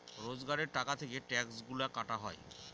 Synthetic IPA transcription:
ɾod͡ʑɡaɾeɾʈakat̪ʰekeʈɛksɡulakaʈaɦɔe

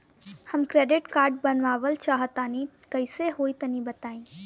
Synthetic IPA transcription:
həmkɾeːɖɪʈkaːɾɖ̚bənʋaːʋəlt͡ʃaːɦət̪anikəɪseɦoːit̪ənibət̪aːĩ

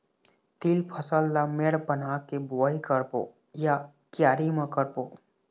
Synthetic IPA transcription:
t̪ilpʰəsəlːameɽpənakeboikəɾpo̰ | ja | kjaːɾiməkəɾpo

